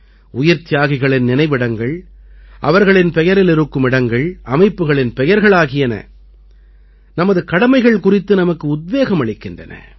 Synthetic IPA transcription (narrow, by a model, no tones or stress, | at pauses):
ʊjɐɾt̪ɪjaːɣɪɣɐɭɪnːɪnɐɪʋɪɽɐŋɡɐɭ | ʔɐ̰ʋɐɾɣɐɭɪnpɛjɐɾɪlɪɾɯkːɯmɪɽɐŋɡɐɭʔɐmɐɪpːɯɣɐɭɪnpɛjɐɾɣɐɭaːɣɪjɐnɐ̰ | nɐmɐðɯkɐɽɐmɐɪɣɐɭkʊrɪt̪ːɯnɐmɐkːɯʊd̪̚ʋeːɣɐmɐɭɪkːɪndrɐ̰nɐ̰